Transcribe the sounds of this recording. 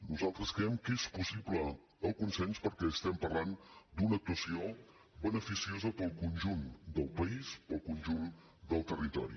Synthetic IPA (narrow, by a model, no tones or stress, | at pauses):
nuzalˠt̪ɾəskɾɛmkespusiplə | əlˠkunsɛnspəɾkɛəst̪ɛmpərland̪unək̚t̪uəsio | bənəfisiozəpəlˠkunʲʒund̪əlˠpəispəlˠkunʲʒun | d̪əlˠt̪ərit̪ɔ̰ɾḭ